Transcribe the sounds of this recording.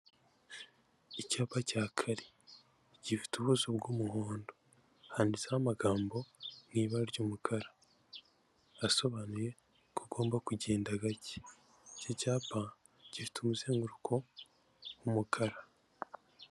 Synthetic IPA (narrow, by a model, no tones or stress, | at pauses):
icaːpacaːkʰaɾi | ɟifi̥tuβuzobɡuːmuhoːndo | haːndizahamaɡaːmbo̞ŋiːβaɾɟuːmukʰaɾḁ | so̞βanuje̞ | kuɡo̞ːmbakuɟeːndaɡaci̥ | cecaːpʰa | ɟ̥ifi̥tʰumuzeːŋɡuɾukʰo | wumukʰaɾa